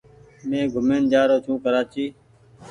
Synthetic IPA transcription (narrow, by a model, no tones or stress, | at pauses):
mẽːɡʱʊmeːnd͡ʒaːɾoːt͡ʃʰũːkəɾaːt͡ʃiː